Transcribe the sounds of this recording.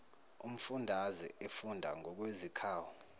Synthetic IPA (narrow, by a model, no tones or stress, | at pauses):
um̩fundʱazɛefundʱa̰ŋʱɔk̬wezikʰaːwu